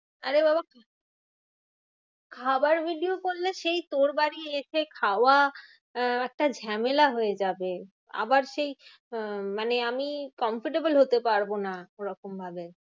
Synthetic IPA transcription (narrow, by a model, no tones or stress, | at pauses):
aɾebabakʰa | kʰabaɾbʱiɖiokolːeʃejt̪oɾbaɾieʃekʰaowa | ɛk̚ʈad͡ʑʱɛmelaɦoed͡ʑabe | a̰baɾʃej | maneamikɔmfiʈebolɦot̪epaɾbonaoɾɔkombʱabe